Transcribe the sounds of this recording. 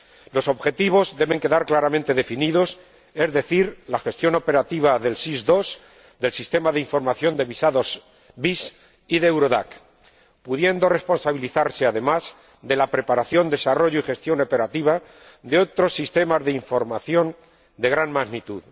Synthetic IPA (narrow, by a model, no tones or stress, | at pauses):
lo̞so̞βxe̞t̪iβ̞o̞zðe̞βe̞ŋke̞ðaɾklaɾamẽnt̪e̞ðe̞finiðo̞s | e̞zðe̞θiɾlaxe̞st̪jo̞no̞pe̞ɾat̪iβ̞aðe̞lsizd̪o̞s | d̪e̞lsist̪e̞maðeiɱfo̞ɾmaθjo̞nd̪e̞βisaðo̞z | bis | iðewɾo̞ða̰k | puðje̞nd̪o̞re̞spo̞nsaβ̞iliθaɾse̞aðe̞maz | d̪e̞lapɾe̞paɾaθjo̞nd̪e̞saro̞ʝoixe̞st̪jo̞no̞pe̞ɾat̪iβ̞a | d̪e̞o̞t̪ɾo̞sːist̪e̞mazðe̞iɱfo̞ɾmaθjo̞n | d̪e̞ɣ̞ɾanmaɣnit̪uð